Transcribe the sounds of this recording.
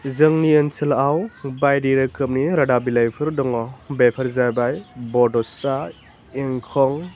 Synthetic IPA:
zɯŋniənsʰɯlawbajdiɾɯkɯm̚niɾadabilajpʰɯɾdɔŋɔbepʰɐɾzajbajbɔdɔsa | iŋkʰɔŋ

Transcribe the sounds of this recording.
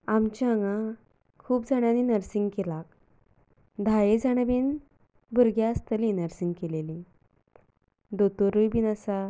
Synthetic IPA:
amt͡ɕaŋã | kʰuːpd͡zaɽ̃aninəɾsiŋɡkelak̚ | d̪ʱajed͡zaɽ̃əbiːn | buɾɡjast̪əlinəɾsiŋɡkeleli | d̪ot̪oɾujbinasa

